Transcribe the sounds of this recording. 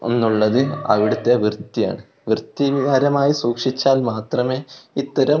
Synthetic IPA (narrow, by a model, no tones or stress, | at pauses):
o̞nːuɭːɐðɨɐ̰ʋiɽut̪ːe̞ʋrt̪ːija̰ːɳɨ | ʋrt̪ːiʋiɣaːɾɐmaːjisuːkʂit͡ɕːaːlmaːt̪rɐme̞ːit̪ːɐɾɐ